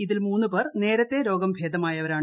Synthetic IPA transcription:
iðilmuːnːɨperne̞ːɾɐt̪ːeɾo̞ːɡɐmbʱeːd̪ɐmaːjɐʋɐɾaːɳ

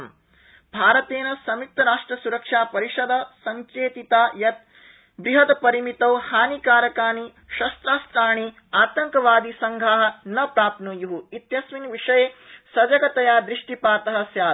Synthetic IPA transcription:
m | bʱaːɾɐt̪eːnɐsɐmik̚t̪ɐɾaːʂʈɾɐsuɾɐkʂaːpɐɾiʂɐd̪ɐsɐŋkʰeːt̪it̪aːjɐt̪̚ | bɾiɦɐt̪pɐɾimit̪ɐwhaːnikaːɾɐkaːni | ʃɐst̪ɾaːst̪ɾaːɳ̃i | aːt̪ɐŋkɐʋaːd̪isɐŋɡʱaːɦɐ̆nɐpɾaːpnujuɦuit̪jɐsminʋiʂɐjeːsɐd͡ʒɐɡɐt̪ɐjaːd̪ɾiʂʈipaːt̪ɐɦɐ̆sjaː

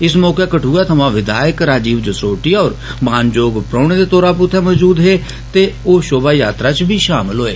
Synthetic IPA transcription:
ɪsmɔːkeːkəʈʰuːɛːt̪ʰəmãːʋɪd̪aːjəkɾaːd͡ʒiːʋd͡ʒəsoːʈiːɔːɾmaːnd͡ʒoːɡpɾɔːɳed̪eːt̪oːɾaːpʊt̪ʰɛːməd͡ʒuːd̪ɦeː | t̪eːoːʃoːbaːjaːt̪ɾaːt͡ʃbʱiːʃaːmɪlɦoːeː

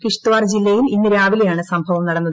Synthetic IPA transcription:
kiʂt̪uʋaːrd͡ʑilːɐjilinːɨɾaːʋilijaːɳɨsɐmbʱɐʋɐmnɐɽɐnːɐðɨ

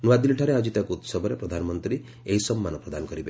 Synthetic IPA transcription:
nuad̪iliʈʰaɾead͡ʒit̪akuut̪sɔbʱɔɾepɾɔd̪ʱanɔmɔnt̪ɾi | eɦisɔmːanɔpɾɔd̪anɔkɔɾibe

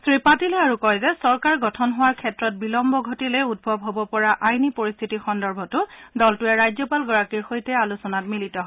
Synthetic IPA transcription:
sɹipatilɛaɹukɔɹɛzɛsɔɹkaɹɡɔtʰɔnɦʊwaɹkʰɛtɹɔt̚bilɔmbɔɡʱotilɛud̚bʱɔbʱɦobɔpɔɹaʔajnipoɹist̪ʰitixɔndɔɹbʱɔtʊdɔltʊɛɹajzɔpalɡɔɹakiɹxojtɛalusɔnatmilitɔɦɔ

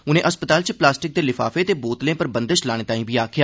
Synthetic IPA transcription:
ʊnẽːʔəspət̪aːlt͡ʃəplaːsʈɪk̚d̪eːlɪfa̰ːfeːt̪eːboːt̪lẽːpəɾbə̃nd̪əʃlaːɽ̃eːt̪aːĩːbʱiːaːkʰɪjaː

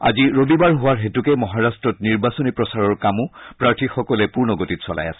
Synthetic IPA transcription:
a̰ziɹobibaɹɦʊwaɹɦetukɛmɔɦaɹastɹɔtniɹbasɔnipɹɔsaɹɔɹkamʊpɹaɹtʰixɔkɔlɛpuɹnɔɡotitsɔ̰la̰ja̰sɛ̥

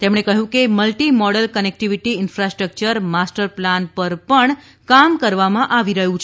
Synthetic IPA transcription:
t̪emɳ̃ekəɦũkeməlʈimɔɽəlkənek̚ʈiʋiʈiɪnfɾasʈɾək̚t͡ʃəɾmasʈəɾplanpəɾpəɳ | kamkəɾʋamãʔaʋiɾəɦũt͡ʃʰ

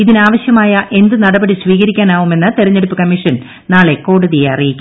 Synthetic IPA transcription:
iðinaːʋɐɕjɐmaːjɐʔe̞nd̪ɨnɐɽɐbɐɽisʋiːɣɐɾikʲːaːnaːʋume̞nːɐt̪eɾɐɲːeɽupːɨkɐmːiʂɐn | naːɭe̞ko̞ːɽuðijeɐrijikʲːu

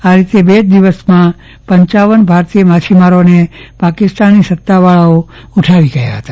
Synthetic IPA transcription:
aɾit̪ebed̪iʋəsmã | pəɲt͡ʃaʋənbʱaɾt̪ijəmat͡ʃʰimaɾonepakɪst̪anisət̪ːaʋaɭao | uʈʰaʋiɡəja̰ɦət̪a

